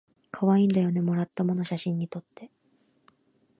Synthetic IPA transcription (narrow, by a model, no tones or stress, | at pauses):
kʰaβaĩːnd̪ajo̞ne̞mo̞ɾat̪ːamo̞no̞ɕaɕĩɲ̟ːit̪o̞t̪ʰːe̞